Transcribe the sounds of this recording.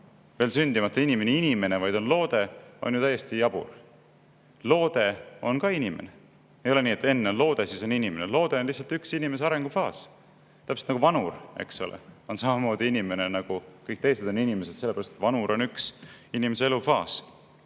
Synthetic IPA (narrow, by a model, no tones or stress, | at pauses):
ve̞ːlsynʲd̪̥imɑt̪ːˑɑinime̞niinime̞ne̞vɑjd̪̥o̞nlo̞ːd̪e̞o̞̰njut̪æje̞st̪ijɑb̥ṵr | lo̞ːd̪̥e̞o̞nkɑinime̞̰ne | ejo̞le̞niːet̪ːˑe̞nːelo̞ːd̪̥e̞siso̞ninime̞nelo̞ːd̪̥e̞o̞nliçsːɑlt̪yksinime̞s̬eɑɾe̞ŋɡ̥ufɑːs | t̪æpest̪nɑɡuvɑnure̞̰kso̰lḛo̞nsɑmɑmo̞ːd̪iinime̞ne̞nɑɡ̥ukɤjk̚t̪e̞jse̞d̪̥o̞ninime̞se̞d̪̥se̞lːeæɾɑst̪et̪vɑnuɾo̞nyksinimese̞e̞lufɑːs